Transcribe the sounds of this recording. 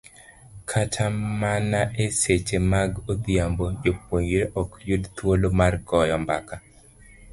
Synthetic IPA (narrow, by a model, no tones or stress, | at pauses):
kʰatʰamanaʔeset͡ʃemaɡod̪jambod͡ʒop̚oɲiɾeʔɔkjudt̪wolomarkɔjɔmba̰ka